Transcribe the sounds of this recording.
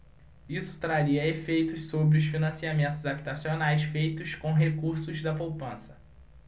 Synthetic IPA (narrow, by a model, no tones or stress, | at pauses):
isʊ̥t̪ɾaɾiɐefejt̪ʊssobɾɪʊsfinɐ̃siamẽnt̪ʊzabit̪asionajsfejt̪ʊskõɦekuɾsʊzd̪ɐpowpɐ̃sɐ̥